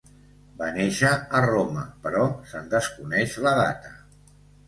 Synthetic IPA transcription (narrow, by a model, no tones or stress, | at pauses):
baneʃəːroməpəɾɔsənd̪əskunɛʃləða̰t̪ə